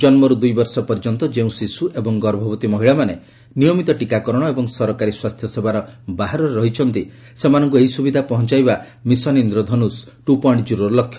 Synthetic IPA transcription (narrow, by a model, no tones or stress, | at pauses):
d͡ʒɔnmɔɾud̪ujbɔɾsɔpɔɾd͡ʒɔnt̪ɔd͡ʒeũsisuʔebɔŋɡɔɾɔbʱɔbɔt̪imɔɦiɭamane | nijɔmit̪ɔʈikakɔɾɔɽ̃ɔebɔŋsɔɾɔkaɾiswast̪ʰjɔsebʱaɾɔbaɦaɾɔɾeɾɔɦit͡ʃʰɔnt̪i | semanɔŋk̬ueɦisubid̪ʱapɔɦɔnt͡ʃajba | misɔnind̪ɾɔd̪ʱɔnusʈupɔɳɖd͡ʒuɾɔlɔkʰjɔ̥